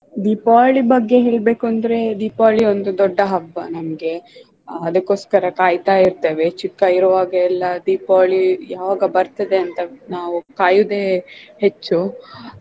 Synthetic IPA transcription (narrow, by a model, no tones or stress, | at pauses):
d̪iːpaːɭibɐɡːe̞ɦe̞ːɭbe̞ːkuɐnd̪ɐɾe̞d̪iːpaːɭio̞nd̪ud̪ɔɖːɐɦɐbːɐnɐmɐɡe̞ | ɐd̪ɐkːo̞ːskɐɾɐkaːjt̪aːjiɾt̪eːʋe̞t͡ʃikːɐiɾɐʋaːɡɐɛlːɐd̪iːpaːɭijaːʋaːɡɐbɐɾt̪ɐd̪e̞ɐnt̪ɐnaːʋukaːjud̪e̞ːhet͡ʃːu